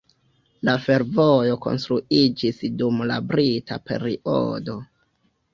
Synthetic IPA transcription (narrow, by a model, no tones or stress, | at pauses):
lafe̞ɾvojo̞ko̞̰nstɾuid͡ʒisdumla̰bɾitape̞̰ɾiʔo̰do̞